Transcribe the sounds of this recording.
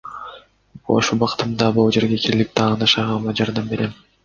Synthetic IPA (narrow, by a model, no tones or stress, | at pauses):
o̰ʃubɑqɯ̥t̪ɯmd̪ɑbolˠd͡ʒe̞ɾɡekʰiɾlikp̚t̪ʰɑːʁnɑʃɑʁɑmɑd͡ʒɑɾd̪ɑmbe̞ɾem